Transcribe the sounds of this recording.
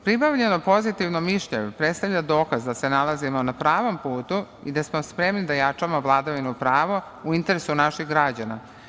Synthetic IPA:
pɾipaʋʎenopo̞zit̪iʋnomiʃʎeɲupɾet̪st̪avʎad̪o̞ːkazd̪ase̞nalˠazimo̞napɾaːʋo̞mpuːt̪u | id̪asmo̞spɾe̞mnid̪ajat͡ʂamoʋlˠad̪aʋinupɾaːʋo | uint̪e̞ɾesunaʃixɡɾad͡ʑana

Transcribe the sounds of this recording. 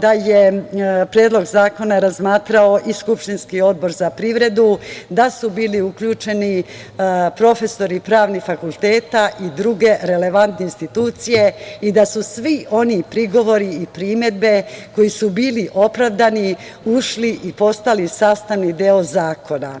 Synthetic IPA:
d̪aje̞pɾeːd̪lo̞ɡzaːko̞naɾazmaːt̪ɾaoʔiskupʃt̪inskio̞d̪̚bo̞ɾzapɾiʋɾe̞d̪ud̪asubiːliukʎuːt͡ʃe̞ni | pɾo̞fe̞so̞ɾipɾaːʋnifakulˠt̪e̞ːt̪aʔid̪ɾuɡe̞ɾe̞le̞ʋant̪neinst̪it̪uːt̪sije̞id̪asusʋiʔo̞nipɾiɡo̞ʋo̞ɾiːpɾiːme̞d̪̚be̞ko̞jisubiːliʔo̞pɾaʋd̪aniuʃliʔipo̞st̪alisast̪aʋnid̪eozaːko̞na

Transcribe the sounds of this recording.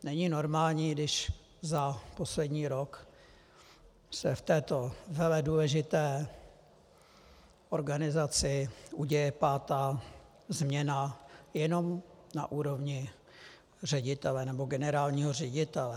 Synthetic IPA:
nɛɲɪno̞ɾmaːlɲiːdɪʃ | zapo̞slɛdɲiːɾok | sɛft̪ɛːt̪o̞vɛlɛduːlɛʒɪt̪ɛː | ʔo̞ɾɡanɪzat͡sɪʔuɟɛjɛpaːt̪aː | zmɲɛnajɛno̞mna̰ʔuːɾo̞vɲɪ | r̝ɛɟɪt̪ɛlɛnɛboɡɛnɛɾaːlɲiːɦorɛɟɪt̪ɛlɛ

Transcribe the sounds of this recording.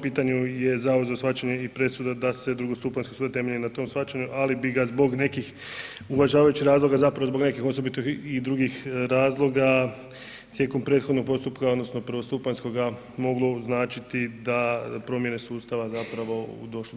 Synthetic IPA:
piːt̪aɲuje̞zaozaosxfat͡ʃaɲeipɾe̞sud̪ad̪ase̞d̪ɾuɡo̞st̪upaɲskosuːd̪at̪e̞me̞ʎenat̪o̞msfat͡ʃaɲuʔalibiɡazbo̞ɡne̞kix | ulaʒaːʋajut͡ʃixɾaːzlˠo̞ɡazapɾaʋozbo̞ɡne̞kixo̞sobit̪ixid̪ɾuːɡixɾaːzlˠo̞ɡa | t̪je̞ːko̞mpɾe̞ːt̪xo̞d̪noɡ̚po̞st̪upkao̞d̪no̞sno̞pɾʋo̞st̪upansko̞ɡa | mo̞ɡlˠo̞znaːt͡ʃit̪id̪apɾo̞mje̞ne̞suːst̪aʋazapɾaʋo̞ṵd̪o̞ʃo

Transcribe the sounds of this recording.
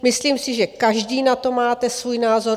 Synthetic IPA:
mɪsliːmsɪʒɛkaʒdiːnat̪o̞maːt̪ɛsvuːjnaːzo̞ɾ

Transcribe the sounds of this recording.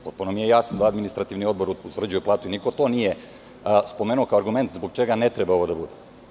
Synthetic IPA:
pot̪̚punomijejasand̪aad̪minist̪ɾat̪iʋnio̞d̪bo̞ɾut̪ʋr̩d͡ʑujeplˠaːt̪uiniko̞t̪o̞nije | spomeːnuo̞kaoɾɡume̞nt̪zboɡ̚t͡ʃeɡanet̪ɾebaoʋod̪abud̪e

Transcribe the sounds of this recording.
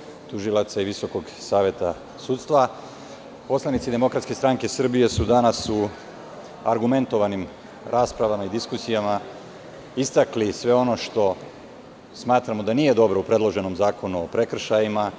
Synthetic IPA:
t̪uʒilˠat̪saiʋiso̞ko̞ɡsaːʋje̞t̪a | sut̪st̪ʋa | po̞slˠanit̪sid̪e̞mo̞kɾat̪ske̞st̪ɾaŋke̞sr̩bije̞sud̪anasu | aɾɡume̞nt̪o̞ʋanim | ɾʔaːspɾaʋamaid̪iskusijama | ist̪aklisʋe̞o̞no̞ʃt̪o̞ | smaːt̪ɾamod̪anijed̪o̞bɾo̞upɾe̞d̪lo̞ʒe̞no̞mzaːkʰo̞nuo̞pɾe̞kr̩ʃajima

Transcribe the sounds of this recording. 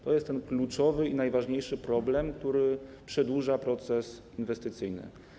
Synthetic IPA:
t̪ɔjɛst̪ːɛnklut͡ʂɔvɘinajvaʐɲejʂɘpɾɔblɛmk̚t̪uɾɘpʂɛd̪wuʐapɾɔt̪sɛs | invɛst̪ɘt̪sɘjnɘ̰

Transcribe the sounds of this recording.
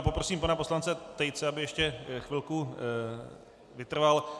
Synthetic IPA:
po̞pɾo̞siːmpanapo̞slant͡sɛt̪ɛjt͡sɛabɪjɛʃcɛxvɪlku | vɪt̪r̩val

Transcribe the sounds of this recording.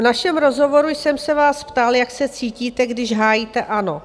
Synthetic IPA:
vnaʃɛmɾo̞zɦo̞vo̞ɾujsɛmsɛvaːspt̪aljaksɛt͡siːciːt̪ɛɡdɪʒɦaːjiːt̪ɛʔano̞

